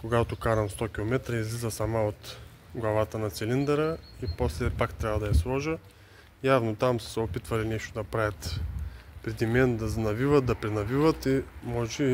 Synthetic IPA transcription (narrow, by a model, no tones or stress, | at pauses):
koɡat̪okaɾɐmst̪ɔk̟ʲilˠomɛt̪ɾɐizlizəsamaot̪ | ɡlˠɐvat̪ənɐt̪sɛlind̪ɛɾəiposlɛpakt̪ɾʲavɐd̪ɐjɐslˠɔʒə | javnot̪amssɛopit̪vɐlinɛʃt̪od̪ɐpɾavʲɐt̪ | pɾɛd̪imɛnd̪ɐznɐvivɐt̪̚d̪ɐpɾɛnɐvivɐt̪imɔʒt͡ʃi